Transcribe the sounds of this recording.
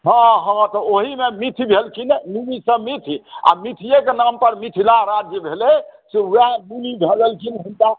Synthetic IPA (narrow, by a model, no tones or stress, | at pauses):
ɦɔ̃ɦɔ̃t̪ɔoɦimemit̪ʰibʱelkinenibisəmit̪ʰia̰mit̪ʰijekenampəɾmit̪ʰilaɾad͡ʒjəbʱelɛsewɛmulibʱeɡəlkinɦunka